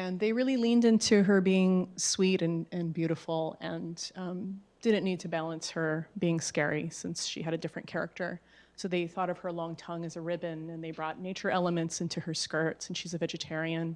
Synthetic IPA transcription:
ɨ̃nðeɪɹɪlˠilĩndɪ̃ntʰʉə˞biɪ̃ŋswiɾɨ̃nɨ̃nbjʉɾəfl̩ˠɨ̃nʌ̃ | d̥ɪdⁿn̩nid̚tʰɨbælˠə̃nshə˞biɪ̃ŋskɛɹisɪ̃nsʃḭɨɾɨdɪfɹɨ̃nkʰɛɹɨ̰k̚tʰə̰˞ | soʊðeɪθɔɾʌv̥ə˞lɔ̃ŋtʰʌ̃ŋɨzɨɹɪbɨ̃nɨ̃nðeɪbɹɔtⁿneɪt͡ʃə˞ɛlˠəmɨ̃ntsɪ̃ntʰʉə˞skɜ˞tsn̩ʃizɨvɛd͡ʒɨtʰɛɹiɨ̃n

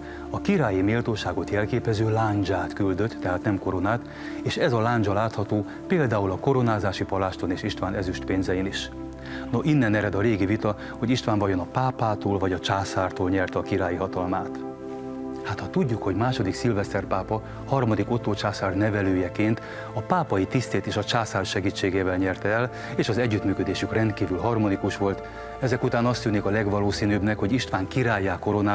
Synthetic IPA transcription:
ɒkiɾaːjimeːlt̪oːʃaːɡo̞t̪jɛlkeːpɛzøːlaːɲd͡ʒaːt̪kyld̪ø̞t̪ːɛɦaːt̪nɛmko̞ɾo̞naːt̪ | eːʃɛzɒlaːɲd͡ʒɒlaːt̪hɒt̪oː | peːld̪aːulɒko̞ɾo̞naːzaːʃipɒlaːʃt̪o̞neːʃiʃt̪ʋaːnɛzyʃt̪peːnzɛjiniʃ | no̞ʔinːɛnɛɾɛd̪ɒɾeːɡivit̪ɒ | ho̞ɟiʃt̪ʋaːɱvɒjo̞nɒpaːpaːt̪oːlvɒɟɒt͡ʃaːsaːrt̪oːlɲɛrt̪ɒkiɾaːjiɦɒt̪ɒlmaːt̪ | hat̪hɒt̪uɟːukho̞ɟmaːʃo̞d̪iksilvɛst̪ɛrpaːpɒ | hɒrmɒd̪iko̞t̪oːt͡ʃaːsaːrnɛvɛløːjɛkeːnt̪ | ɒpaːpɒjit̪ist̪eːt̪eːʃɒt͡ʃaːsaːrʃɛɡiːt͡ʃːeːɡeːvɛlɲɛrt̪ɛɛl | eːʃɒzɛɟːyt̪myːkø̞d̪eːʃykrɛnt̪̚kiːvylɦɒrmo̞nikuʃʋo̞lt̪ | ɛzɛkut̪aːnɒst̪ynikɒlɛɡʋɒloːsiːnøːbnɛkho̞ɟiʃt̪ʋaːŋkiɾaːjːaːko̞ɾo̞naː

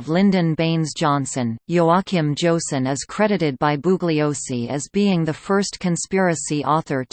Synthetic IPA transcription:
vlɪ̃ndɨ̃nbẽɪ̃nzd͡ʒɑ̃nsɨ̃njoʊɑkʰɨ̃md͡ʒoʊsɨ̃nɨz̥kʰɹ̥ɛɾɨɾɨd̚baɪbuɡlioʊsiɨzbiɪ̃ŋðɨfɜ˞stkʰɨ̃nspɪɹɨsiʔɔθə˞

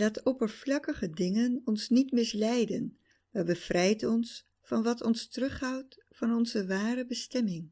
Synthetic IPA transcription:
laːtɔpəɹv̥lɑkəχədɪŋənɔnsnitmɪslɛjdən | ʋəbəv̥rɛjtɔns | fɑnʋɑtɔnstərɵχɦawt | fɑnɔnzəʋaːrəbəstɛmɪŋ

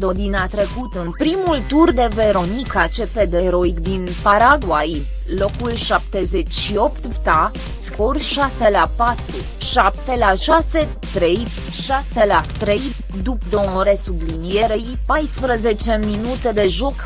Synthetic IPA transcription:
d̪o̞d̪inat̪ɾe̞kut̪ɨnpɾimult̪urd̪e̞ve̞ɾo̞nikat͡ʃe̞pe̞d̪e̞ɾo̞ikd̪inpaɾaɡwaj | lo̞kulʃap̚t̪e̞ze̞t͡ʃʲʃio̞pt̪t̪a | skorʃaselapat̪ɾu | ʃap̚t̪e̞laʃase̞ | t̪ɾe̞j | ʃaselat̪ɾej | d̪upd̪oɾesublinijeɾeipajspɾəzet͡ʃe̞minut̪e̞d̪e̞ʒo̞k

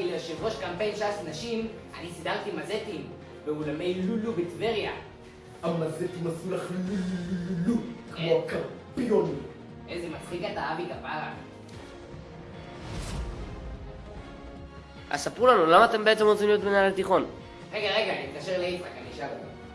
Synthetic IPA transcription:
ileʃevʁo̞ʃkampe̞jnʃasnaʃim | anisidaʁt̪imazetim | veulame̞jlulubetveʁija | amazet̪imasulaχlululululukmokampioni | ʔezemat͡sχiɡataabiɡavala̰ | ʔa̰sapʁulanulamaːt̪e̞mbeet̪emozinijot̪benajalet̪iχo̞n | ʁe̞ɡaʁe̞ɡaːnimikaʃeʁleeta̰kaniʃala

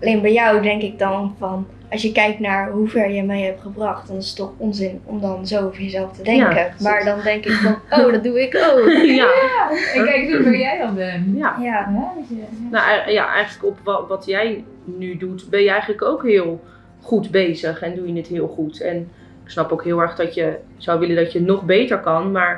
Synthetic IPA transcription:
ɑlenbɛjjɔwdɛŋkɪɡ̚dɑnfɑn | ɑsjəkɛjk̚tnaːɹɦuvɛɹjəmejɦɛp̚tχəbrɑχtdɔnɪsə̥tɔχɔnzɪnɔmdɑnzowvəɹjəzɛlˠftədɛkəmaːɹdɑndɛŋkɪkdɔnowdɔt̚duɪkowka | ɛujɛjdɑndɛjaj | naja̰ʔɛ̰jχənləkɔpʋʋɑtjɛj | nydutbɛnjəɛjχənləkowkɦɪːlˠ | χudbejzəχɛndujənətɦɪːlˠχutɛn | ɪksnɑpowkɦɪːlˠɛɹχdɑtjə | z̥ɔwʋɪləndɑtjənɔχbejtəɹkɑnmaːɹ

